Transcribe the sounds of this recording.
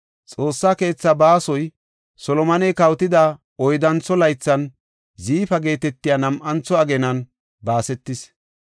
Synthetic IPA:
t͡sʼo̞ːsːaːke̞ːt͡sːɐbaːsɔj | sɔlɔmɐnɛkɐwt̪ɪd̪a | ɔjd̪ɐnt͡sːɔlɐjt͡sːɐn | ziːfɐɡe̞ːt̪ɛt̪ːɪjanɐmʔɐnt͡sːɔɐɡɛnɐn | baːsɛt̪ːɪs

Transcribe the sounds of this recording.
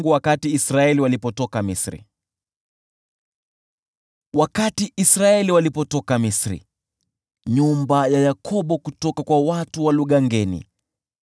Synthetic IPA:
ɡuwakatiːsɾaɛliwalipɔtɔkamisɾḭ | wakatiʔisɾaɛliwalipɔtɔkamisɾḭ | ɲumbajajakʰɔɓɔkutɔkakwawatuwaluɠaŋɡɛnḭ

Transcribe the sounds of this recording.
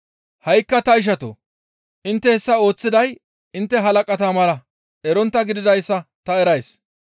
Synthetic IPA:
hɐjkːɐt̪ɐɪʃ̬ɐt̪o̰ | ʔɪnt̪ːɛhɛsːɐo̞ːt͡sːɪd̪ɐj | ɪnt̪ːɛɦɐlɐkʼɐt̪aːmɐlɐ | ʔɛɾɔnt̪ːɐɡɪd̪ɪd̪ɐjsːɐt̪ɐɛɾɐjs

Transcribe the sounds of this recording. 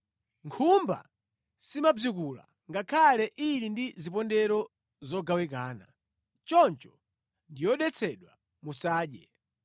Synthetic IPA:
ŋkʰumba̰ | simab͡ʐikula̰ | ŋɡakʰalɛʔiɾindizipɔndɛɾɔ | zɔɡawik̬aːna | t͡ʃɔnt͡ʃɔ̥ | ndijɔɗɛt͡sʰɛɗwa | musaːɗjɛ

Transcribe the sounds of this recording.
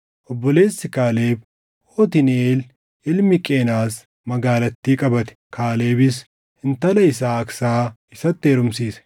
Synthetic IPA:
ʔɔbːɔle̞ːsːɪkaːle̞ːb | hoːt̪̬ɪneːl | ɪlmɪkʼeːnaːs | mɐɡaːlɐt̪ːiːkʼɐbɐt̪ɛ̥kʰaːle̞ːbɪs | hɪnt̪ɐlɐɪs̬aːɐksaː | ɪsɐt̪ːeːɾʊmsiːsɛ̥

